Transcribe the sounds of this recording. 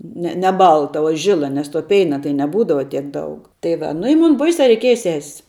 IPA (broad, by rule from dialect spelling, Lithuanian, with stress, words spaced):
ˈnʲɛ nʲɛ ˈbɐlˠtɐ oː ˈʒʲɪlˠɐ nʲɛs toː ˈpʲɛɪnɐ tɐɪ nʲɛˈbuːdɐʋɐ tʲiɛk ˈdɐʊk tɐɪ ˈʋɐ nʊ ɪ ˈmʊn ˈbɐɪsʲɛ rʲɛɪˈkʲiɛjɛ sʲɛsʲ